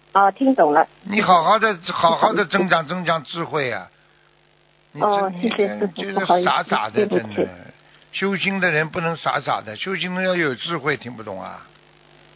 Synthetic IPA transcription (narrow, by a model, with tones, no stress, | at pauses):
ɔ˥˧t̪ʰi˧˥ŋt͡sʊ˨˩ŋlə˦ | ni˧˥xɑ˨˩ʊxɑ˥˩ʊd̪ə˨˧xɑ˨˩ʊxɑ˥˩ʊd̪ə˧ʈ͡ʂɤ˥ŋt͡ɕɑ˥˩ŋʈ͡ʂɤ˥˧ŋt͡ɕɑ˥ŋʈ͡ʂɻ̩˥˧xwe˥˩ɪɐ̰˨˩ | ni˨ɔ˥˧˥ɕɛ˥˩ɕɛ˥˧˥t͡ɕɛ˥ʂə˧˩˧sa˧˥sa̰˨˩d̪ə˥˧˥nɛ˥˩ | ɕjo˥ʊɕi˥ŋd̪ə˨ɻə˧˥npu˥˩nɤ˧˥ŋsa̰˧˥sa̰˨˩d̪ə˦ɕjo˥ʊɕi˥ŋd̪ə˧˥˩jo˨˩ʊʈ͡ʂɻ̩˥˧xwe˥˩ɪt̪ʰi˧˩ŋpu˥˩t̪ʊ̰˨˩ŋɐ̰˧